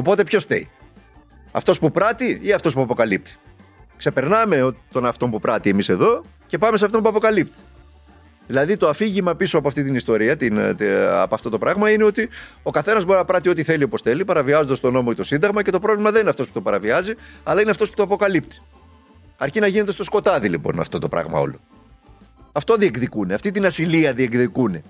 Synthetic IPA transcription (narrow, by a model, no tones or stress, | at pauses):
o̞po̞t̪epço̞st̪ḛi | ɐ̰ft̪o̞spupɾɐt̪iiɐft̪o̞spuɐpo̞kɐlip̚t̪i̥ | kse̞pe̞ɾnɐme̞ot̪o̞nɐft̪o̞mpupɾɐt̪ie̞mise̞ðo̞ | ce̞pɐmeseɐft̪o̞mpuɐpo̞kɐlipt̪i̥ | ðilɐðit̪oɐfiʝimɐpisoɐpoɐft̪it̪inist̪o̞ɾiɐt̪inɐ̰pɐft̪ot̪o̞pɾɐɣmɐineo̞t̪io̞kɐθe̞nɐzbo̞ɾinɐpɾɐt̪io̞t̪iθe̞lio̞po̞sθe̞lipɐɾɐviɐzond̪ɐst̪o̞no̞mo̞it̪osind̪ɐɣmɐce̞t̪o̞pɾovlimɐðenineɐft̪osput̪opɐɾɐviɐziɐlɐineɐft̪o̞sput̪oɐpo̞kɐlipt̪i̥ | ɐɾcinɐʝine̞t̪est̪o̞sko̞t̪ɐðilipo̞̰nɐ̰ft̪o̞t̪opɾɐ̰ɣmɐ̰o̞̰lo̞̰ | ɐft̪oðiekðikuneɐft̪it̪inɐsiliɐðiekðikune̞